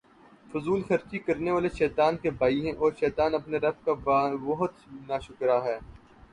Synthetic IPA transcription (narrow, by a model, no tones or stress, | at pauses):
fʊzuːlxɐɾt͡ʃikɐɾneʋaːleʃɛːt̪aːnkebaːiɦɛ̃ʔɔːɾʃɛːt̪aːnɐpneɾɐfkabbɐɦʊt̪naːʃʊkɾaɦɛː